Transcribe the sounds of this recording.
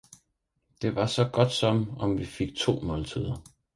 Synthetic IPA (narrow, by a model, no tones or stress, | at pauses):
d̥e̝ʋɑ̈sɒ̽ɡ̥ɒ̽d̥sɒ̽mɒ̽mʋife̝ɡ̥̚t͡sʰo̝̰ːmɔ̽ːlt͡sʰið̞ˠɐ